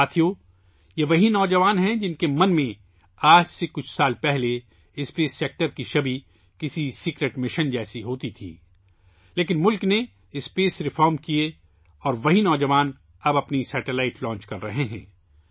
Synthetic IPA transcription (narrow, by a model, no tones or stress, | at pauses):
aːt̪ʰijoː | jeʋɐɦinɔːd͡ʒɐʋaːnɦɛ̃d͡ʒɪnkemɐ̃nmẽ | aːd͡ʒsekʊt͡ʃʰsaːlpɛɦle | ɪspeːsːeːk̚ʈəɾkiʃɐbi | kɪsisiːkɾeːʈmɪʃənd͡ʒɛːsiɦoːt̪it̪ʰḭː | leːk̬ɪnmʊlkne | ɪspeːsɾɪfɔːɾmkie | ɔːɾʋɐɦinɔːd͡ʒɐʋaːn | ɐbɐpnisɛːʈelaːɪʈlɔ̃ːnt͡ʃkɐɾːɐɦeɦɛ̰̃ː